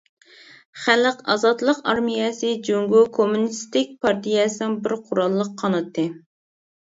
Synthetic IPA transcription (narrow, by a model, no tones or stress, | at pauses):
χælqɑ̰zɑt̪lˠəqɑɾmijɛsɨd͡ʒoŋɡukʰomunist̪ɪk̚ʲpʰɑɾt̪ijɛsɨnɪŋbɪɾqʰʊɾɑlˠːəqʰːɑnɨt̪ʰɨ